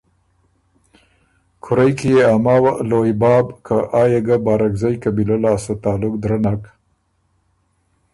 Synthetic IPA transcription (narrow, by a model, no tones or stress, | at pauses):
kʰʊɾajkijeamɑwalojbɑːbkʰaʔɑːjaɡabɑːɾakzajkabilolɑsat̪ɑːlʊkd̪ɾanak